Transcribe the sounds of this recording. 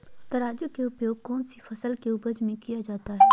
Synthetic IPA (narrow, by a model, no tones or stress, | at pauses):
t̪ɐɾaːd͡ʒʊkeʊpjoːɡ̚kɔːnsifʰɐsəlkeʊbəd͡ʒmẽkijad͡ʒaːt̪aɦɛː